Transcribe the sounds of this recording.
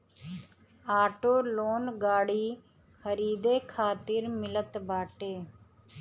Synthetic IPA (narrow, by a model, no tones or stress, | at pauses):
aːʈoːloːnɡaːɽiː | xʰəɾiːd̪eːkʰaːt̪ɪɾmɪlət̪baːʈeː